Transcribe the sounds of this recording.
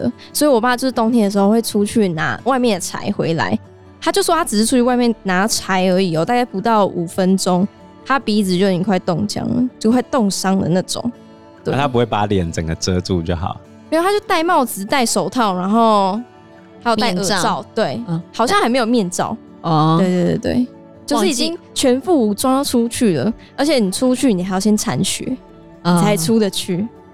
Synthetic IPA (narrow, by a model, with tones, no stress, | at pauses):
ə̰˩ | swɔ˧˥i˨˩wɔ˨˩pa˥˩a˧t͡ɕo˥˧ʊʂɻ̩˥t̪o˥ŋt̪ʰjɛ˥nd̪ə˨˩ʂɻ̩˧o˥˧xwe˥˩ɪʈ͡ʂʰu˥t͡ɕʰy˥˩na̰˧˥wa˥˧ɪmjɛ˥˩nd̪ə˩t͡sʰa̰˧˥ɪxwe˧˥ɪla̰˧˥ɪ | t̪ʰa˥t͡ɕjo˥˧ʊʂwɔ˥t̪ʰa˥t͡sɻ̩˨˩ɻ̩˥˩ʈ͡ʂʰu˥t͡ɕʰy˥˧wa˥˧ɪmjɛ˥˨˩nna˧˥t͡sʰa˧˥ɪə˧˥i˨˩ɔ˨˩t̪a˥˧ka˥˩ɪpu˧˥t̪ɑ˥˩ʊu˨˩fə˦˥nʈ͡ʂo˥ŋ | t̪ʰa˦˥pi˧˥˩t͡sɹ̩˨˩jo˥˧˩kwa˥˧ɪt̪ɔ˥˩ŋt͡ɕjɑ̰˥ŋlə̰˩˦t͡ɕjo˥˧kwa˥˩ɪt̪ɔ˥˨ŋʂɑ˥ŋd̪ə̰˨na˥˩ʈ͡ʂʊ̰˨˩˦ŋ | t̪wt̪ʰa˦˥pu˧˦we˥˩ɪpa˧˦ljɛ˨˩˦nt͡sə˨˩ŋɡə˦t͡sɤ˦t͡su˥˧t͡ɕjo˥˩ʊxɑ̰˨˩˦ʊ | i˨˧˥t̪ʰa˥t͡ɕjo˥˧ʊt̪a˥˧ɪmɑ˥˩ʊd͡zɹ̩˨t̪a˥˩ɪʂo˨˩ʊt̪ʰɑ˥˩ʊna˧˥nxo˥˧ʊ | a˧˥j̪a˥˩ɪə˧t͡sɑ˥˨ʊt̪we˥˩ɪxaɑ˨˩ʊɕjŋxa˧˥ɪme˧ɪjo˨˩mjɛ˥˧nt͡sɑ̰˥˩˨ʊ | we˥˧ɪt̪we˥˧t̪we˥˩t̪wḛ˥˩ɪ | t͡ɕjo˥ʊʂ̬̩˥˩i˨t͡ɕi˦ŋ | t͡ɕʰɥɛ˧˥nfu˥˩u˨t͡swa˥ʈ͡ʂʰu˦t͡ɕʰy˥˩lə̰˩ | ə˞˧˥t͡ɕʰjɛ˨˩˦ni˨˩t͡sʰu˦˥t͡ɕʰy˥˩ni˨˩a˧ɪjɑ˥˩ʊɕjɛ˥nt͡sʰa˧˥nɕɛ̰˨˧˦ | i˨˩t͡sʰa˧˥ɪʈ͡ʂʰu˦d̪ə˨t͡ɕʰy˥˩